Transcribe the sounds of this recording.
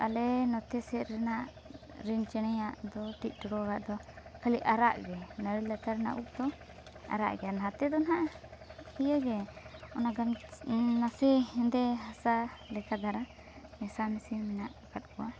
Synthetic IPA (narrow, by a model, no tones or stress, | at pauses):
ʔa̰lɛnɔt̪ɛsɛʔ̪ɾɛnaʔ | ɾint͡ʃɛñɛjaʔd̪ɔt̪ic̚ˀʈɔɽɔɡaʔd̪ɔkʰaliʔaɾa̰ʔɡɛnəɾilat̪aɾna̰ʔuk̚d̪ɔ | a̰ɾa̰ʔɡɛanɦat̪ɛd̪ɔnɦaʔ | ijəɡɛɔnaɡamnasɛɛ̃nd̪ɛɦasalɛkad̪aɾa | mɛsamisimɛnaʔkat̪̚kɔa